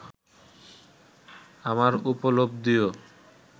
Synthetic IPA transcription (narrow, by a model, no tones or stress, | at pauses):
amaɾupolobd̪ijo